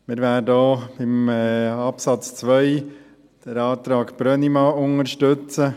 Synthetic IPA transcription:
mɪɾʋæːdəobɪmɑpsɑt͡st͡sʋœʏ | d̥əɾɑːtɾɑːkpɾœnimɑːʊŋəɾʃtʏt͡sə

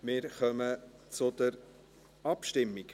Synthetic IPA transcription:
mɪːɾχœmət͡sʊd̪əɾ | ɑpʃtɪmːiɡ

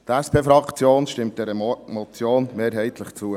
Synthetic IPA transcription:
t̪æspʰeːfɾɑkt͡sjoːnʃtɪmt̚d̥ɛɾəmɔt͡sjoːnmeːɾɦɛɪt̪ʰləχt͡suə

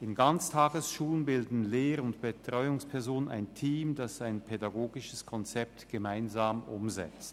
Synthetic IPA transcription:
ɪnɡant͡stʰaːɡəsʃuːlənbɪldn̩leːʁʊntb̥ətʁ̥ɔʏʊŋspʰɛɐzoːnəna̰ɪntʰiːmdasaɪnpʰedaɡoːɡɪʃəskʰɔnt͡sɛp̚tɡ̥əmaɪnzaːmʔʊ̰mzɛ̰t͡st

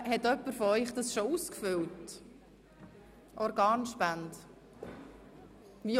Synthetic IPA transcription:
hɛtœpːəɾfɔœʏχd̥̪ɑsʃɔuskfʏlt | ʔɔɾɡɑːnʃpænd | vi

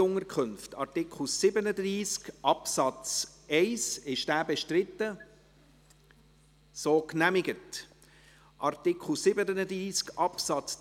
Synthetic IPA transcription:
ʊŋəɾkʰχʏnftɑ̰ɾtɪkʰχl̩sɪbənədriːskʔɑpsɑt͡sɛɪsɪʃd̥æːbɛʃtɾɪtːə | soːknæmɪɡət | ʔɑɾtɪkχl̩ˠsɪbənənəd̪ɾiːskʔɑpsɑt͡s

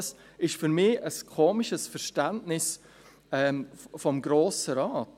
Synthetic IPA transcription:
s | ɪʃfyɾmɪːəskʰoːmɪʃəsfɛɾʃtantnɪs | ɛːfɔmɡɾoːsəɾaːt

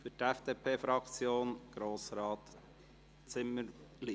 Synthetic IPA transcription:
fytɛfd̥eːpʰeːfɾɑkt͡sjoːnɡ̥ɾoːsɾɑːt̪ | t͡sɪmːəɾli

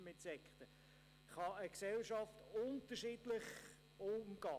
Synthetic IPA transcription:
mɪntsɛkχtə | χɑəksɛlʃɑftʊntəʃiːdlɪχ | oːmɡ̥ɑː

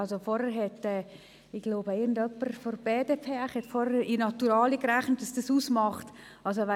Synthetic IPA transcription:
ɑlsofɔɾəɾɦɛtɛː | ɪɡ̥loːbəɪɡn̩dœpːəɾfɔɾb̥eːdepʰeːæχhɛtfɔɾhɛinɑtuɾaːlikɾæχnət̚d̥ɑsd̥əsuːsmɑχt | ʔɑls̬oʋɛ

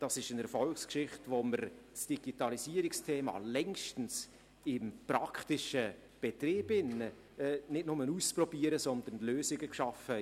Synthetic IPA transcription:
d̥ɑsɪʃənɛɾfɔlkskʃɪχtvoməɾsd̥iɡ̥itɑlisiəɾɪkstʰeːmɑ̰lɛŋʃtn̩s | ɪmpɾɑkʰtɪʃə | b̥etɾeːbɪnəː | nɪtnʊmənust͡sprɔbiːəɾəsɔnd̪ən̩løːsɪɡəkʃɑfə

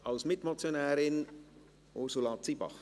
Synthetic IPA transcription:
ɑlsmɪtmɔt͡sjonɛːɾɪn | ʔʊɾsulɑːt͡sibɑ̰χ

